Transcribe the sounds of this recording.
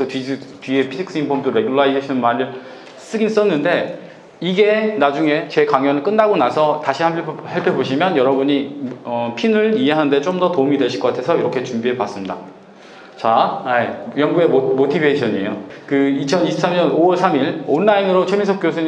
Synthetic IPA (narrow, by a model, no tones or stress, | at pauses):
esʰʌtitɥie̞pʰid͡ʑʰikʰs͈impʰomdoɾe̞ɡuɭaisʰeɕʰinɯnmaɾiɭ | s͈ɯɡins͈ʌnːɯnde̞ | iɡe̞nad͡ʑuŋe̞t͡ɕe̞kaŋjʌnɯɭk͈ɯnːaɡonasʰʌtaɕʰihapʰhaɭpʰeboɕʰimjʌnjʌɾʌbuɲiʌpʰinɯɭiɦe̞ɦanɯnde̞t͡ɕ͈omdʌtoumidwe̞ɕʰi̥kʌk͈atʰe̞sʰʌiɾʌkʰe̞t͡ɕumbiɦe̞pwas͈ɯmɲida̰ | t͡ɕaajʌŋɡue̞omotʰibʱeɕʰʌɲḛjokɯit͡ɕʰʌniɕʰip̚s͈ʰamɲʌnowʌɭsʰamiɭʌnːainɯɾot͡ɕʰʌminsʰʌpk͈jos̬ʰɯ